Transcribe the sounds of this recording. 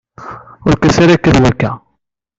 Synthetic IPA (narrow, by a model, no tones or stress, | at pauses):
ʊɾkæsaɾækːəðwækːæ